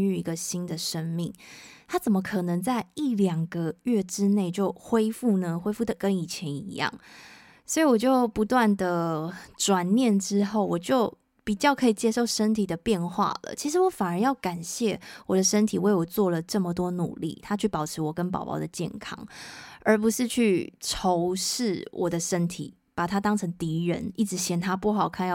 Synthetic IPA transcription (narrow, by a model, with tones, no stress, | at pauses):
y˥˩i˧˥ɡə˧ɕi˥nd̪ə˨ʂə˥ŋmḭ˥˩ŋt̪ʰa˥t͡sə˨˩mə˦kʰɤ˨˩nə˧˦ŋt͡sa˥˧ɪi˥˩ljɑ˨˩ŋɡə˦ɥɛ˥˩ʈ͡ʂɻ̩˦ne˥˧ɪt͡ɕjo˥˩ʊxwe˥ɪfu˥˩nə˧xwe˥ɪfu˥˩d̪ə˨˩kə˦ni˨˩t͡ɕʰjɛ˧˦ni˧˥jɑ̰˥˩ŋ | swɔ˧˥i˨wɔ˨˩t͡ɕjo˥˩ʊpu˧˥t̪wa˥˩nd̪ə˩ʈ͡ʂwa˨˩nnjɛ˥˨nʈ͡ʂɻ̩˥xo˥˩ʊwɔ˨˩t͡ɕjo˥˩ʊ | pi˨˩t͡ɕjɑ˥˩ʊkʰɤ˧˥i˨˩t͡ɕjɛ˥ʂo˥˩ʊʂə˥nt̪ʰi˨˩d̪ə˩pjɛ˥˧nxwa̰˥˩lə̰˩t͡ɕʰi˧˥ʂ̬ɻ̩˧˥wɔ˧˦fa˨˩nə˧˥njɑ˥˩ʊka˨˩nɕjɛ˥˩wɔ˨˩d̪ə˦ʂə˥nt̪ʰi˨˩we˥˩ɪwɔ˨˩t͡swɔ˥˩lə˩ʈ͡ʂə˥˩mə˨˩t̪wɔ˥nṵ˨˩lḭ˥˩t̪ʰa˥t͡ɕʰy˥˩pɑ˨˩ʊʈ͡ʂʰɻ̩˧˥wɔ˨˩kə˦np̬ɑ̰˨˩ʊpɑ̰˧˥ʊd̪ə˨t͡ɕjɛ̰˥˩nkʰɑ̰˥ŋə˞˧˥pu˧˦ʂɻ̩˥˧t͡ɕʰy˥˩ʈ͡ʂʰo˧˦˥ʊʂɻ̩˥˩wʔɔ˨˩d̪ə˦ʂə˦˥nt̪ʰḭ˨˩ | pa˨˩t̪ʰa˥t̪ɑ˥ŋʈ͡ʂʰə˧˥ŋt̪i˧˥ɻə̰˧˥ni˥˩ʈ͡ʂɻ̩˧˥ɕjɛ˨˩nt̪ʰa˥pwɔ˥˩xɑ˨˩ʊkʰa˥nj